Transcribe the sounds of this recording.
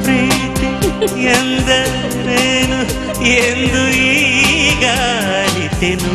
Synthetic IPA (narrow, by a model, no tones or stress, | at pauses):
pɾiːt̪iend̪ɐ | neːnu | end̪uiːɡa | lit̪ːenu